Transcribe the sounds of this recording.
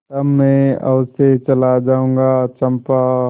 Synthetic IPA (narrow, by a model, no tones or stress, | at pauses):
t̪ɐmːɛẽɐ̰ʋset͡ʃɐlad͡ʒaːũːŋɡat͡ʃɐ̃mpa